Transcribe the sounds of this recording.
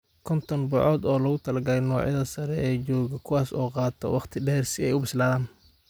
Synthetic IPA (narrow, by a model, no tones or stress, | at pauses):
kʰɔnt̪ʰɔnbʊʕɔːd̪ɔːlɐɣʊt̪ʰɐlɐɡɐlɛjnɔːʕjɐðɐsɐɾɛʔɛːt͡ʃɔːɣɐkʰʊwɑːsɔːqɑːt̪ʰɔ̰wɑqt̪ʰɪɖɛːrsɪɛjʊbɪslaːðaːn